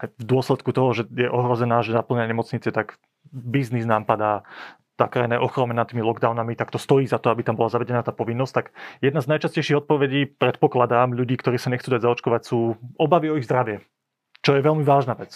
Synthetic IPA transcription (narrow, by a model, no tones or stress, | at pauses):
ajvd̪ʊɔslɛt̪kut̪ɔɦɔʒɛjɛʔɔɦɾɔzɛnaːʒɛnapl̩ɲaɲɛmɔt͡sɲit͡sɛt̪aɡ | bizniznaːmpad̪aː | t̪a̰ːkɾajnɛʔɔxɾɔmɛnat̪ːiːmilˠɔɡd̪aʊnamit̪akt̪ɔst̪ɔjiːzat̪ɔabit̪ambɔlazaʋɛɟɛnaːt̪aːpɔʋinːɔsct̪aɡjɛd̪naznajt͡ʃascɛɪʃiɣɔt̪̚pɔʋɛɟiːpɾɛt̪̚pɔklad̪aːmʎuɟiːkt̪ɔɾiːsaɲɛxt͡suːd̪aɟzaɔt͡ʃkɔʋacsuːɔbaʋiɔiɣzd̪ɾaʋɪɛ | t͡ʃɔjɛʋɛʎmiʋaːʒnaːʋɛt͡s